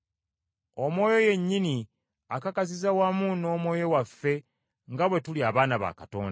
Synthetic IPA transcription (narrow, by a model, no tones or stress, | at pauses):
omo̞ːjo̞je̞ɲːini | akakazizawamuno̞ːmwo̞ːjowafːe̞ | ŋɡaβwe̞tuliaβaːnaβa̰kato̰ːnda